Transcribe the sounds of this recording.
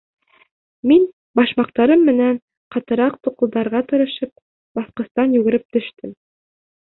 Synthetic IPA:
min | bɑʃmɑq̚t̪ɑɾɤmːɘ̆næn | qɑt̪ɤ̆ɾɑq̚t̪uqɤ̆lˠd̪ɑɾʁɑt̪ɤ̆ɾɤ̆ʃɤp̚ | bɑθqɤ̆st̪ɑnjʉɡɘ̆ɾɘp̚t̪ɵ̆ʃt̪ɘm

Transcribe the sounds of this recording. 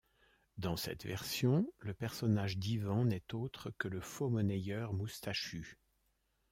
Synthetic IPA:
d̪ɑ̃sɛ̰t̪vɛ̰ʁsjɔ̃ləpɛʁsɔnaʒd̪ivɑ̃nɛt̪ot̪χəkələfomɔnejœʁmust̪aʃy

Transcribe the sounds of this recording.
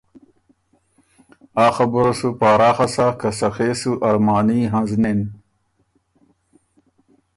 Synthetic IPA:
aːxɐbuɾɐsupaːɾaːxɐsaːkɐsɐxeːsuʔɐɾmaːniːɦãnznen

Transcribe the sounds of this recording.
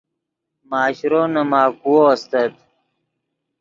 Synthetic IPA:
maːɕɾoːnɐmaːkuwost̪ɐt̪

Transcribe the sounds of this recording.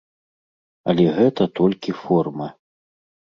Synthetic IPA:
ɐlʲɛɣɛt̪ɐt̪ɔlʲkʲifɔrmɐ

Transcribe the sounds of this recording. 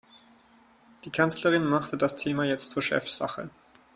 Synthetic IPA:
d̥iːkʰant͡sləʁɪnmaχtədastʰeːmajɛt͡stt͡suːɐʃɛ̰fz̥a̰χə̰

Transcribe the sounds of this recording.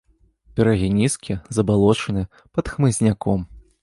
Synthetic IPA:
pʲɛɾɐɣʲinʲiskʲizɐbalˠɔt͡ʂɐnɨ | pɐt̪xmɨzʲnʲakɔm

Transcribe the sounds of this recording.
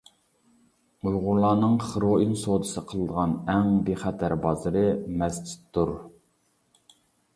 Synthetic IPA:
ujʁʊɾlˠɑːnɨŋχəɾoʔinsod̪ɨsəqʰəlˠəd̪əʁɑnɛŋbeχæt̪ʰæɾbɑzɨɾɨmɛsd͡ʒi̥t̪ʰːuɾ

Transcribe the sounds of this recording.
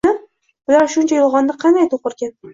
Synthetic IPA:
ɪ | bʊlaɾʃʊnt͡ʃʰajɒlˠʁɒnːɪqʰɑnd̪ajt̪ʰoqɨɾɡʲan

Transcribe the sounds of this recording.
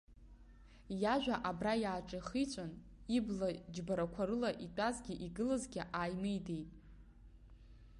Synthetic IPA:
jaʒᶣaʔabrajaːʈ͡ʂʼaχit͡sʷʼan | iblad͡ʒbaɾakʷʰaɾɨlaʔitʷʼazɡʲiʔiɡɨlazɡʲiʔajmɨjdejtʼ

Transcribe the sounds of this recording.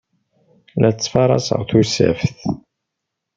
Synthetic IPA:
lʔæt͡sːfɑɾˤɑ̰sə̰ʁθusæ̰fθ

